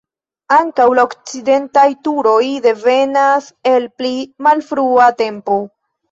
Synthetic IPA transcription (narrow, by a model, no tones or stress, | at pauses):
aŋkawlaokt͡side̞ntajtuɾo̞jde̞ve̞nase̞lplimalfɾuate̞mpo̞